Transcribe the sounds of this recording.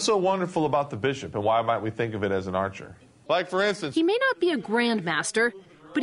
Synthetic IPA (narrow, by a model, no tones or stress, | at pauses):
soʊwʌ̃ndə˞fl̩ˠəbaʊt̪̚ðəbɪʃɨpə̃nwaɪmaɪt̚wiθɪ̃ŋkʌvɨɾɨz̃n̩ɑɹt͡ʃə̰˞ | laɪkfə˞ɪ̃nstɨ̃nhimeɪnət̚b̥iɨɡɹæ̃ndmæstə˞ | b̥ʌt̚